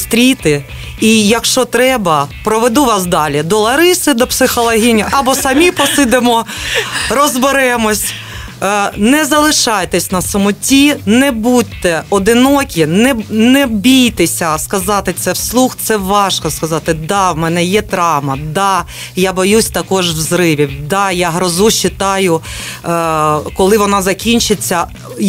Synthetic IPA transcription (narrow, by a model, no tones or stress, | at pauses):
st̪ɾʲit̪ɪ | ijɐkʃt͡ʃɔt̪ɾɛbɐpɾɔʋed̪uʋɑsd̪ɑlʲid̪ɔlˠɐɾɪsɪd̪ɔpsɪxɔlˠɐɦʲinʲɐʔɐbɔsɐmʲipɔsɪd̪emɔ | rɔzbeɾɛmɔsʲ | nɛzɐlˠɪʃɑjt̪ɛsʲnɐsʊmʊtʲinɛbut̪ːɛɔd̪ɪnɔkʲinɛnɛbʲijt̪esʲɐskɐzɑt̪ɪt̪sɛwslˠuxt̪sɛʋɑʃkɔskɐzɑt̪ɪd̪ɑwmɛnɛjɛt̪ɾɑwmɐd̪ɑ | jabɔjusʲt̪ɐkɔʒwzɾɪʋʲiwd̪ɑjaɦɾɔzuʃt͡ʃɪt̪ɑjʊ | kɔlˠɪʋɔnɑzɐkʲinʲt͡ʃɪt͡sʲːɐ